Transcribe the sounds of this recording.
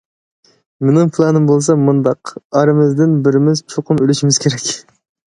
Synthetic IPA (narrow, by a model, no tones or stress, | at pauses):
mɪnɨŋpʰlˠɑnɨmbolˠsɑmund̪ɑqɑɾɨmɪzd̪ɪnbɪɾɪmɪzt͡ʃʰoqʰʊnølɪʃimɪz̥kʲʰeɾɛkʲ